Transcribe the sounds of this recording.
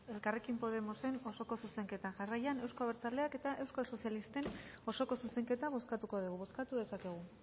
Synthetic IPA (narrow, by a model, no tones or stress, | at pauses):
e̞lkare̞kimpo̞ð̞e̞mo̞se̞no̞so̞ko̞suse̞ŋke̞t̪aʝarajane̞wsko̞aβeɾt͡sale̞ake̞t̪aʔe̞wskalso̞sjalist̪e̞no̞so̞ko̞suse̞ŋke̞t̪aβ̞o̞skat̪uko̞ðuɣ̞uβo̞skat̪uðe̞sake̞ɣ̞u